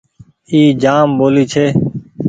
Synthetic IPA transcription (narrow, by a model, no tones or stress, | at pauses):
iːd͡ʒaːmboːliːt͡ʃʰeː